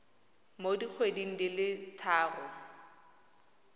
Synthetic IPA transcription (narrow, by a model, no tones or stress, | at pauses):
modik͡xʰwedin̩dɪlɪtʰaːrʊ